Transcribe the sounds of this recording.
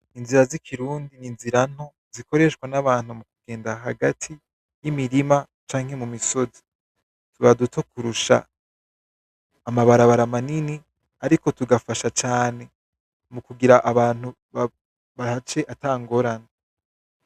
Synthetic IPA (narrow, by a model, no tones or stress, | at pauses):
inziɾazikʰiɾuːndininziɾan̥ho | ziko̞ɾe̞ʃkwanaβaːnhumukuɡ̥e̞ːndaɦaɡatʰi | jimiɾima | t͡ʃaːŋ̥he̞mumiso̞zi̥ | tuβadutʰokuɾuʃa̰ | maβaɾaβaɾamanini | aɾiko̞tuɡafaʃat͡ʃaːne̞ | mukuɡiɾaʔaβaːnu | β | βahat͡ʃe̞ʔataːŋɡo̞ɾana